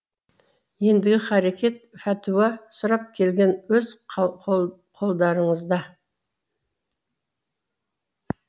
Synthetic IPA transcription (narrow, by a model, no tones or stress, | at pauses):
je̞nd̪ɪɡʲɪχæɾekʲe̞t̪̚fæt̪ʰuwɑsʊɾɑp̚kʲʰe̞lɡʲe̞nwɵz | qʰo̞lˠd̪ɑɾəɴəzd̪ɑ